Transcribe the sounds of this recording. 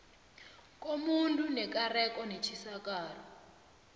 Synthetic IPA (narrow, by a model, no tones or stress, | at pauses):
k̬ʼomuntʼunɛkarɛkʼɔnet͡ʃʰisakaːrɔ